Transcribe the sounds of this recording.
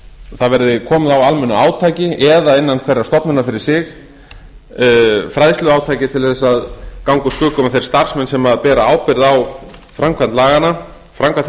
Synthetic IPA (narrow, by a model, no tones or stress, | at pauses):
θaðvɛɾðɪkʰɔːmðawalmɛnːʏaːwt̪ʰaːjcɪʔɛðaɪnːankʰvɛɾːast̪ɔpnʏnːafɪɾɪɾ̥sɪx | fɾajðst̪lʏaːwt̪ʰaːjcɪt̪ʰɪlθɛsːaðkawŋkʏskʏːkɔmaθejɾ̥st̪aɾ̥smɛnsɛmaðpɛːɾaaːwpɪɾðawfɾamkʰvant̪laːɣana | fɾamkʰan